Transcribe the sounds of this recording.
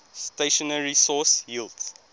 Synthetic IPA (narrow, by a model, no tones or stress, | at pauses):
steʃɔnəɹisɔsjiːlds